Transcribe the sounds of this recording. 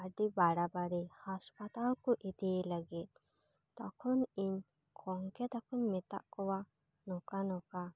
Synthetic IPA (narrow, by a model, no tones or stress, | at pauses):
aɖibaɽabaɽihaspat̪alkɔʔid̪iləɡit̪̚ | t̪akʰɔniɲ | kʰɔŋkɛt̪akʰɔɲmɛt̪a̰ʔkɔwa | nɔkanɔka